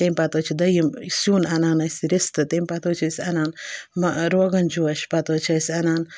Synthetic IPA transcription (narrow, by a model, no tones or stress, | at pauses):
t̪emʲpɐt̪ot͡ʃʰid̪ɐjimsjuːnɐnaːnɐsʲiɾist̪ɨt̪emʲpɐt̪oːt͡ʃʰisʲɐnaːnmɐɾoːɡɐnd͡ʒuɐʃpɐt̪oːt͡ʃʰɐsʲɐnaːn